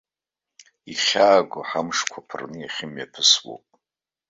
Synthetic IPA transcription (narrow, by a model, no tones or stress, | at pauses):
iχʲaːɡʷaħamʂkʷʰapʰɨrnɨjaχʲɪmjapʰɨswo̰pʼ